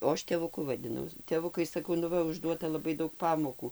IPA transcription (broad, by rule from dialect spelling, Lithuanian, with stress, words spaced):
oː ˈɐʃ tʲeːʋʊˈkʊ ʋɐdʲɪˈnɐʊ tʲeːˈʋʊkɐɪ sɐˈkɐʊ nʊ ˈʋɐ ʊʒˈduɔtɐ lˠɐˈbɐɪ ˈdɐʊk ˈpɑːmoːkuː